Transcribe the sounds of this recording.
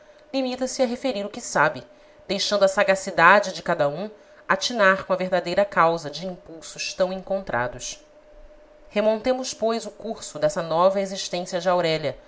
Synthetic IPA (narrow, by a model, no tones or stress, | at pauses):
limit̪ɐsɪɐɦefeɾiɾʊkɪsabɪ | d̪ejʃɐ̃ndʊɐsaɡasid̪ad͡ʒɪd͡ʒɪkad̪ɐũ | at͡ʃinaɾkõɐveɦd̪ad̪ejɾɐkawzɐd͡ʒɪĩpuwsʊʃt̪ɐ̃w̃ẽŋkõnt̪ɾʔa̰d̪ʊʃ | hemõnt̪ẽmʊʃpojzʊkuɾsʊd̪ɛsɐnɔvɐeziʃt̪ẽsiɐd͡ʒɪawɾɛʎɐ